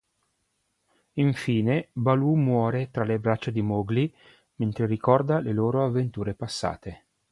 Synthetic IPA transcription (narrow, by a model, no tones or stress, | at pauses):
iɱfiːnebalumwɔːɾet̪ɾalebɾat͡ʃːad̪imoɡli | ment̪ɾeɾikɔrd̪aleloːɾoavːent̪uːɾepasːa̰ːt̪e